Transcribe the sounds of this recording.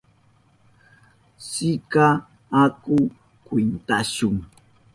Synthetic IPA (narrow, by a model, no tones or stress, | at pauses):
sɪkaː | kʊ | kwint̪aʃʊŋ